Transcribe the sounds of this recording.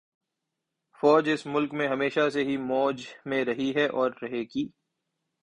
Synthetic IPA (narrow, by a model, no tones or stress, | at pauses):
fɔːd͡ʒɪsmʊlkmẽɦɐmeːʃaseɦimɔːd͡ʒmẽɾɐɦiɦɛʔɔːɾːɐɦeːɡiː